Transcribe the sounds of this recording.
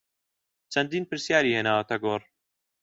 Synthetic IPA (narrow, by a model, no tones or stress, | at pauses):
t͡ʃʰɐnd̪iːnpɨɾsjaːɾiːheːnaːwɐt̪ɐɡoːr